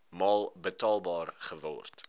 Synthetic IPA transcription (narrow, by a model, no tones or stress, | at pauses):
mɑːlˠbətɑːlˠbɑːrχəvɔ̰rt